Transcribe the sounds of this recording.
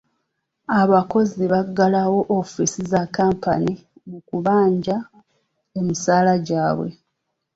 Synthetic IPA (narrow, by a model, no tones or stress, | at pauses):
aβako̞ziβaɡalawo̞ʔofisizakːaːmpanimukuβaːɲɟa | emisaːlaɟaːβwe̞̰